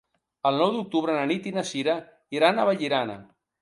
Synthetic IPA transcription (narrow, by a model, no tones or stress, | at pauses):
əlˠnɔwd̪uk̚t̪uβɾənanit̪inasiɾa | iɾanaβaʎiɾana̰